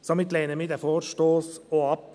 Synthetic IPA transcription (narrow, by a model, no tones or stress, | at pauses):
somɪt̪leːnəmiːd̪ɛfoːɾʃtoːsoːɑp̚